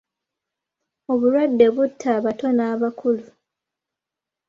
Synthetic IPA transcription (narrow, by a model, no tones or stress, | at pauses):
o̞βuɾwadːe̞βutʰːaːβato̞naːβakʰulu